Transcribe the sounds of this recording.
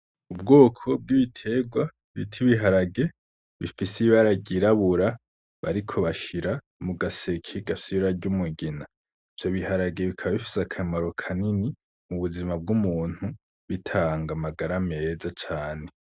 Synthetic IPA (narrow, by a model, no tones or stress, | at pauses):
ubɡo̞ːkʰo̞b̚ɡiβitʰe̞ɡwa | βḭtʰiβiɦaɾaɡe̞ | βifisiβaɾaɟiɾaβuɾa | βa̰ɾikʰo̞βaʃiɾa | muɡasekʰiɡasiɾaɟumuɡina | ivjoβihaɾaɡe̞βikʰaβaβifi̥sakʰamaɾo̞kʰanini | muβuzimab̚ɡumuːn̥hu | βitʰaːŋɡamaɡaɾame̞zat͡ʃaːne̞